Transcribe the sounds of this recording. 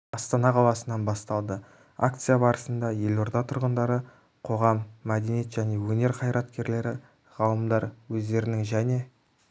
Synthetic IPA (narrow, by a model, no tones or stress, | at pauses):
ɑst̪ɑnɑqʰɑlˠɑsənɑnbɑst̪ɑlˠd̪ə | a̰k̚t̪sɨjabɑɾəsənd̪ɑje̞lo̞ɾd̪ɑt̪ʰʊɾʁənd̪ɑɾə | qʰo̞ʁɑmːæd̪e̞nijet̪ʒ̥æne̞wɵne̞ɾqʰɑjɾɑt̪kʲe̞ɾle̞ɾɪ | ʁɑlˠəmd̪ɑɾwɵzd̪e̞ɾɪnɪŋʒæne̞